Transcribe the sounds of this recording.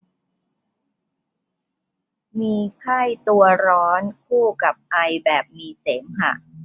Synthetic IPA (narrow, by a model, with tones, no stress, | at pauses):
miː˧kʰa˥˩jt̪u˧ɐɾɔː˦˥nkʰuː˥˩ka˨˩p̚ʔa˧jbɛː˨˩p̚miː˧seː˩˦mɦa̰˨˩ʔ